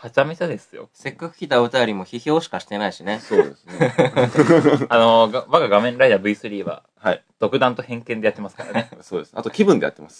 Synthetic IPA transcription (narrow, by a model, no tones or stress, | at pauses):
hat͡ɕamesad̪e̞sɨjo̞̰se̞kːakɯ̟̥çʲit̪ao̟t̪ajo̞ɾʲimo̞çiço̞ːɕi̥kaɕi̥t̪e̞naiɕine̞soːd̪esɨne | anoɡaβaɡaɡamẽ̞ɾaid̪abɯ̟isɨɾʲiːβa̰ | haid̪̥o̞kɯ̟d̪ãnt̪o̞hẽ̞ŋkẽ̞nd̪at̪ːemasɨ̥kaɾanesoːd̪e̞sɨnat̪okʲibɯ̃nd̪e̞ja̰t̪ːemassɨ̥